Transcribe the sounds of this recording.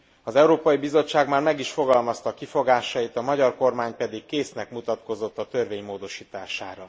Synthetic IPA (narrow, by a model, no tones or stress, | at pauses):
ɒzɛuɾoːpɒjibizo̞t͡ʃːaːɡmaːrmɛɡiʃfo̞ɡɒlmɒst̪ɒkifo̞ɡaːʃɒjit̪ɒmɒɟɒrko̞rmaːɲpɛd̪ikkeːsnɛkmut̪ɒt̪ko̞zo̞t̪ːɒt̪ørveːɲmoːd̪o̞ʃiːt̪aːʃa̰ːɾɒ